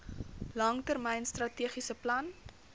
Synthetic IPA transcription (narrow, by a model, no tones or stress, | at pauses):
lɐŋtərmɛjnstrɐtiəχisəplɐn